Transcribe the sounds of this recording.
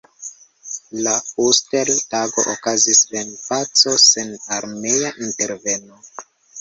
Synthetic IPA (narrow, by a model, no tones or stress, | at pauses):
lausteltaɡo̞ʔokazisvenpat͡so̞senaɾme̞jaʔinte̞ɾve̞no